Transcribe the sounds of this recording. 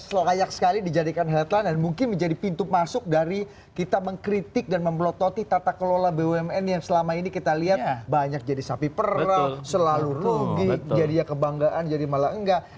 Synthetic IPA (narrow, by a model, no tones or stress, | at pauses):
səlajaksə̥kalidid͡ʒadikanɦɛt̪landanmuŋkɪnməɲd͡ʒadipint̪umasʊk̚daɾi | kit̪aməŋkɾit̪ɪk̚danməmplot̪ot̪it̪at̪akəlolabeɛmɛnjaŋsəlamainikit̪aliɦat̪̚baɲak̚d͡ʒadisapipəɾasəlalurubɪk̚d͡ʒadijakəbaŋɡaʔand͡ʒadimalaəŋɡa